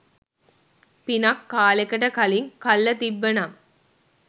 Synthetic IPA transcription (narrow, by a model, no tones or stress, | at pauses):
pinɐkːaːlekɐʈɐkɐliŋkɐlːɐt̪iʋːɐnaŋ